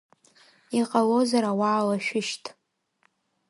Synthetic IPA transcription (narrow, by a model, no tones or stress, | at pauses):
iqʼalozaɾawaːlaʃᶣɪʃtʰʼ